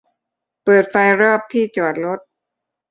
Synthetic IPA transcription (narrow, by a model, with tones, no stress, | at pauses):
pɤː˨˩t̪̚fa˧jɾɔː˥˩p̚t̪ʰiː˥˩t͡ɕɔː˨˩t̪̚lo˦˥t̪̚